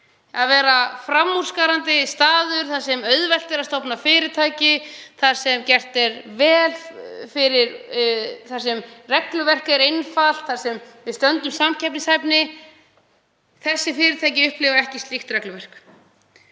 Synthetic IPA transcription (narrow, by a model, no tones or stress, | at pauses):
aðvɛːɾafɾamːur̥skaɾant̪ɪst̪aːðʏɾ̥θḁsɛmœɥðvɛl̥t̪ɪɾast̪ɔwpnafɪːɾɪɾt̪ʰaːjcɪθaɾ̥sɛmcɛr̥t̪ɛɾvɛːlfɪɾɪɾ | θaɾ̥sɛmrɛklʏvɛr̥kɛɾejnfal̥t̪θaɾ̥sɛmvɪðst̪œnt̪ʏmsamcʰɛp̚nɪsajpnɪ | θɛsːɪfɪːɾɪɾt̪ʰaːjcɪʏhplɪvaɛhcɪst̪lixt̪ɾɛklʏvɛr̥k